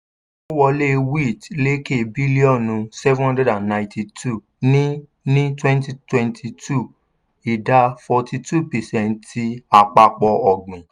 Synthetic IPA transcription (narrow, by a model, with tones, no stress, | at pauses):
o˦wɔ˧le˦wi˦˨t͡ʃle˦ke˦˨bi˦li˦ɔ̃˦˨nũ˧sɛ˦vũ˦ã˦dɛ˦dã˨nnːã˨ɪ̃ti˧tʰu˦˨ | nĩ˦ | nĩ˦twɛ̃˦nti˦twɛ̃˧ntʰi˧tʰu˦˨ | i˨da˧fɔ˧ti˧tu˦˨pɛ˨sɛ̃˧ni˧˦a˧k͡pa˧k͡pɔ˧ɔ˨ɡ͡bĩ˨